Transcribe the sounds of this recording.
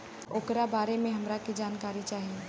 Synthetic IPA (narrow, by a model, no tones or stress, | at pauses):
oːkɾabaːɾemẽɦɐmɾakid͡ʒaːnkaːɾit͡ʃaːɦie